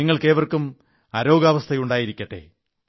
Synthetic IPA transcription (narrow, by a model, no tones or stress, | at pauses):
iŋːɐɭke̞ːʋɐrkum | ɐɾo̞ːɡaːʋɐst̪ʰɐjuɳɖaːjiɾikʲːɐʈːḛ